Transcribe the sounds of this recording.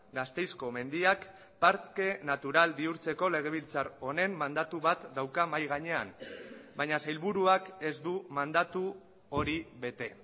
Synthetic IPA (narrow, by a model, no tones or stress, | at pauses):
ɡast̪e̞jsko̞me̞nd̪iak | paɾt̪ke̞nat̪uɾalbiuɾt͡se̞ko̞le̞ɣ̞e̞β̞ilt͡saɾo̞ne̞mːand̪at̪uβat̪d̪awkamajɣ̞aɲe̞anbaɲasajlβuɾuake̞zd̪umand̪at̪u | o̞ɾiβe̞t̪e̞